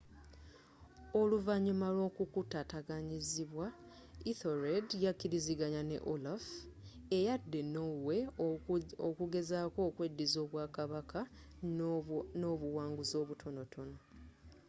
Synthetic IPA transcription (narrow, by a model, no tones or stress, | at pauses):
o̞luvaɲumalo̞ːkukutataɡaɲiziβwa | iθo̞ɾedjakːiɾiziɡaɲane̞̰ʔolaf | ejadːe̞nowe̞ | okuɡe̞zaːko̞ːkwe̞dːizo̞ːβwaːkaβakʰa | noːβuwaːŋɡuzo̞ːβutʰo̞no̞tʰo̞no̞